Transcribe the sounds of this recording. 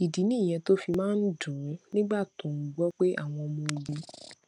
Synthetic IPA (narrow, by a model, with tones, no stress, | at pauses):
i˨di˨˦nĩ˦˨j̃ɛ̃˧to˦fi˧mãː˦n̩˦d͡ʒũ˨˦nĩ˦ɡ͡ba˦˨tõ˨ŋ̩˨ɡ͡bɔ˦k͡pe˦ʔa̰˦˨w̃ɔ̃˧mũ˧li˧